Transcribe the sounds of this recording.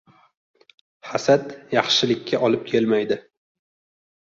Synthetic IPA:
hasat̪jɑχʃɪlɪkʲːaʔɒlɪp̚kʲʰelmajd̪ɪ

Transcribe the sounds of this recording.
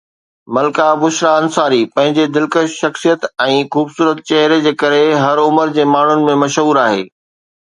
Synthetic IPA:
mɐlkabʊʃɾaɐ̃nsaːɾiːpɐ̃ɦɪ̃ɲd͡ʑed̪ɪlkəʃʃɐxsijət̪ɛ̃ːxuːbsuːɾət̪̚t͡ɕɐɦɾed͡ʑeːkɐɾeɦɐɾʊməɾd͡ʑeːmaːɳ̤ʊnɪ̆mẽmɐʃɦuːɾaːɦḛː

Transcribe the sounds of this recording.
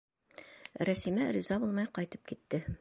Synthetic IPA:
ɾæsimæɾʲizɑbulˠmɑjqɑjt̪ɤp̚kit̪ːɘ

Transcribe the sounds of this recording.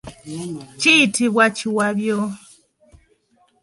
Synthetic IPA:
t͡ʃitʰiβwat͡ʃiwaβjɔ

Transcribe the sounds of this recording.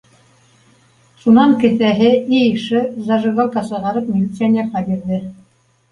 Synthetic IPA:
ʃunɑŋkɘ̆θæɦɘijʃɘzɑʒɤ̆ɡolˠkɑsɤ̆ʁɑɾɤp̚mʲɪlʲit̪sɨanʲɪeɾqɑbiɾðɘ

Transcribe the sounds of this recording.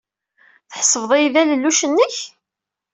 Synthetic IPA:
θəħsˤːəvðˤæjðæləlːuʃənːəç

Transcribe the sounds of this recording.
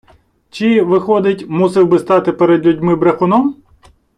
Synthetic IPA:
t͡ʃiʋɪxɔd̪ɪtʲmusɪwbɪst̪ɑt̪ɪpeɾed̪lʲudʲmɪbɾɐxʊnɔm

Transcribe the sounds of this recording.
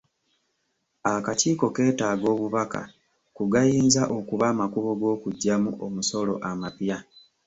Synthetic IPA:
akaciːko̞ke̞ːtaːɡo̞ːβuβaka̰ | kuɡajiːnzaʔo̞kuβaːmakuβo̞ɡo̞ːkuɟːamuʔomuso̞lo̞̰ʔamapja

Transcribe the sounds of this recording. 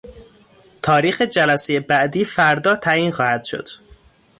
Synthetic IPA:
t̪ʰɒːɾiːxe̞d͡ʒælæsejebæʔd̪iːfæɾd̪ɒːt̪ʰæjiːnxɒːhæd̪̥ʃo̞̰d̪̥

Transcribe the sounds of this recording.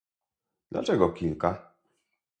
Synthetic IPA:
d̪̥la̰t͡ʂɛɡɔkʲilka

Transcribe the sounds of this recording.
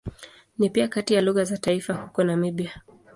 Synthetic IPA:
nipiakatijaluɣazataifahukɔnamiɓia

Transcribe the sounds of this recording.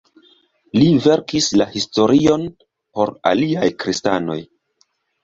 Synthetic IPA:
live̞ɾkislahisto̞ɾʔio̞n | po̞ɾa̰liajkɾistano̞̰j

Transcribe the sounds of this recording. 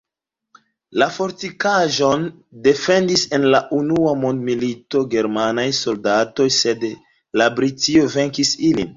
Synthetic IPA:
lafo̞ɾtikaʒo̞n | de̞fe̞ndise̞nlaʔunuamo̞ndmilito̞ɡe̞ɾmanajso̞ldato̞jse̞d | labɾitio̞ve̞ŋkisilḭn

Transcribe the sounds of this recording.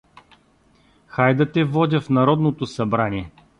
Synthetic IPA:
xajd̪ət̪ɛvɔd̪ʲəfnɐɾɔd̪not̪osɐbɾanʲiɛ

